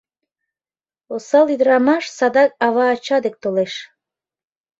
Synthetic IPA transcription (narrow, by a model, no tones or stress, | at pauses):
osɑlˠid̪ɾɑmɑʃsɑd̪ɑk̚ɑβɑːt͡ɕɑd̪ek̚t̪oleʃ